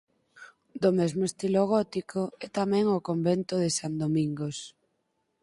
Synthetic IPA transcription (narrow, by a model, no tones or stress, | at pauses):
d̪omɛzmoest̪iloɣ̞ɔt̪ikʰoɛt̪amɛ̃ŋokombɛnt̪ʊðesand̪omĩŋɡos